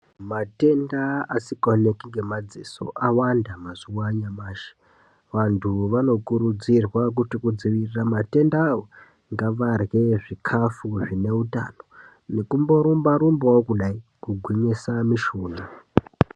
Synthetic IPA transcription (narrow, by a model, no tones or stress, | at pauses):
mate̞ndaasikonekiŋɡe̞mad͡ziso̞̰ʔawandamaziwaɲamaːʃe̥ | ʋantʰuʋano̞kuɾud͡zirwak̬utikud͡ziʋiriramate̞ndaːwo | ŋɡaʋarɣe̞ʐikʰafuʐine̞uta̰ːno̞ | ne̞kumbo̞ɾumbaɾumbawokuɗaikuɡʱwiɲisamiʃuːna